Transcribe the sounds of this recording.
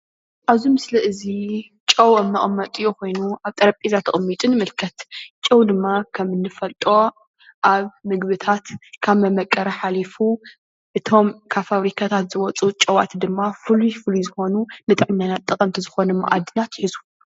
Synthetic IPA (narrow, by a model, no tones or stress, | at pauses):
ʔaβzumɨslɐʔɨzi | t͡ʃʼɐwɨmːɐʔʼmːɐt̪ʼijokʰo̞jnuʔaβt̪ʼɐɾɐpʼizat̪ʰɐχʼmːit̪ʼɨnɨmɨlkʰɐt̪t͡ʃʼɐwd̪ɨmːakʰɐmɨnːɨfɐlt̪ʼo | ʔaβmɨɡβɨt̪ʰat̪kʰaβmɐmɐkʼːɐɾɐħalifu | ʔɨt̪ʰo̞mkʰaβfaβɾikʰat̪ʰat̪zɨwɔt͡sʼut͡ʃʼɐwa̰t̪ʰd̪ɨmːafɨlufɨlizɨxo̞nunɨt̪ʼɨʕɨɲːanat̪ʼːɨkʼɐmt̪ʰizɨxo̞nɨmːʔad̪ɨnat̪jɪħizu